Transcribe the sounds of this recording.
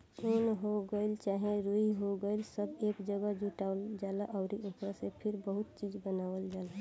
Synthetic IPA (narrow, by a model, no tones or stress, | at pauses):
unɦoɡəɪlt͡ʃaɦẽɾuiɦoɡəɪlsəbekd͡ʒəɡəd͡ʒuʈaʊld͡ʒalaʔəʊɾiʔokɾəsepʰiɾbəɦut̪̚t͡ʃid͡ʒbənawəld͡ʒalə